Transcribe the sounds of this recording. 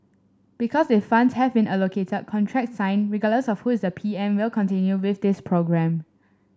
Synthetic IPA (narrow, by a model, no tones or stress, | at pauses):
b̥ikʰɔsdefãndshɛvbĩnalokʰetəd̚kʰɔ̃ntʰɹɛk̚tsãɪ̃nɹiɡadləsɔfhuɪsdəpʰiɛ̃mwɪlkʰɔ̃ntĩnjuwɪθdɪspʰɹoɡɹɛ̃m